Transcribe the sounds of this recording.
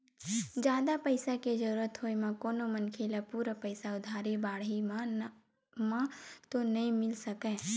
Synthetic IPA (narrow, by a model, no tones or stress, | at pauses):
d͡ʒjaːd̪apəɪsaked͡ʒəɾuːɾət̪ɦoimãkoːnomənkʰeːlapuːɾapəɪsaʊd̪ʱaːɾibaːɽi | mãt̪onɐɦĩmɪlsəkɛ̃ː